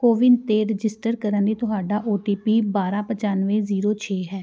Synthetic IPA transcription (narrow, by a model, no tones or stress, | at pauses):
koːʋɪnt̪eːɾɪd͡ʒɪsʈəɾkəɾənd̪iːt̪ʊɦaːɖaːʔoːʈiːpiːbaːɾãːpət͡ʃaːnʋẽːziːɾoːt͡ʃʰeːɦɛː